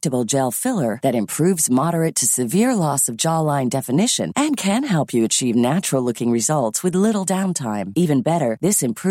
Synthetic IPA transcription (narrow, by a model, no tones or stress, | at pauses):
tɨbl̩ˠd͡ʒɛlˠfɪlˠə˞ðɨɾɨ̃mpʰɹ̥ʉvzmɑɾə˞ɨtʰɨsɨvɪɹlɔsʌvd͡ʒɑlãɪ̃ŋdɛfɨnɪʃɨ̰̃nʔɨ̃nkʰɨ̃nɦɛlˠpʰjɨɨt͡ʃʰivnæt͡ʃɹl̩ˠlʊkɪ̃ŋɹɨzʌlˠtswɨðlɪɾl̩ˠdãʊ̃ntʰãɪ̃mivɨ̃nbɛɾə˞ðɪsɨ̃mpʰɹ̥